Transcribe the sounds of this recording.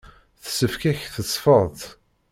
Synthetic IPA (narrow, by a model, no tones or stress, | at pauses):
θsəfkæçθəsˤːfəðˤt